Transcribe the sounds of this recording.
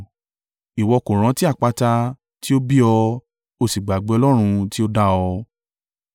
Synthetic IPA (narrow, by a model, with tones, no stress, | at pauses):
i˨wɔ˧kõ˨ɾ̃ã˨˦ti˦a˦˨k͡pa˧ta˧ | ti˦o˦bi˦ɔ˧ | o˧si˨ɡ͡ba˨ɡ͡be˨˦ɔ˧lɔ˦ɾ̃ũ˧ti˦o˦da˦ɔ˧